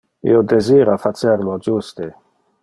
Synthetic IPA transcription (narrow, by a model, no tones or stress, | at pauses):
ḭod̪eziːɾafat͡ʃeɾlod͡ʒust̪e